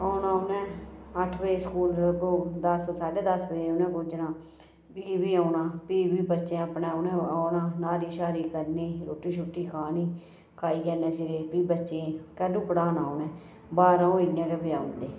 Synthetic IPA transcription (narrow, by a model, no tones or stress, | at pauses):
aːnãːʊnɛ̃ːəʈʰbeeːskuːlɡoːd̪əssaːɖeːd̪əsbəiʊnɛ̃ːkoːd͡ʒnãː | piːbiːaːnaːpiːbiːbətːʃẽːəpnɛ̃ːʊnɛ̃ːaːnãːnaːɾiːʃaːɾiːkəɾniːɾoːʈːiːt͡ʃʰʊʈːiːkʰaːniː | kʰaːiːkɛːnɛ̃ːt͡ʃɪɾeːpiːbətːʃẽːkɛːɖuːpəɽãːnaːʊnɛ̃ː | baːɾãːoid̪ɪjãːkɛːbiːaːʊnd̪eː